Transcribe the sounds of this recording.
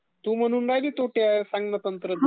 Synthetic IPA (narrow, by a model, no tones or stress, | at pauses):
t̪uːm̤əɽ̃uːnɾajliːt̪oʈasaŋɡnət̪ənt̪ɾə